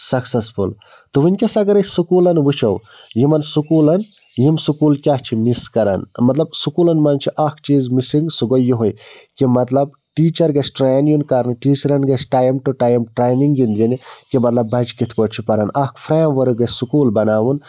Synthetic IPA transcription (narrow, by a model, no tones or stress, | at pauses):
sɐksɐspʰul | t̪uʋinʲkʲɐsɐɡɐɾɐsukuːlɐnʋut͡ʃʰɐwjimɐnsukuːlɐn | jimsukuːlkʲaɦt͡ʃʰimiskɐɾɐ̰nmɐt̪lɐbsukuːlɐnmɐnt͡ʃʰiʔɐkʰt͡ʃiːzmisiŋɡsuɡojːiɦojkimɐt̪lɐb̚ | ʈiːt͡ʃɐɾɡɐt͡ʃʰʈɾaːnjunkɐɾnɨʈiːt͡ʃɐɾɐnɡɐt͡ʃʰʈaːjmʈuʈaːjmʈɾeːjniŋɡɡind̪inkimɐt̪lɐbːɐd͡ʒkit̪ʰpoʈt͡ʃʰipɐɾɐnɐkʰpʰɾeːmʋɐɾɨɡɐsukuːlbɐnaːʋun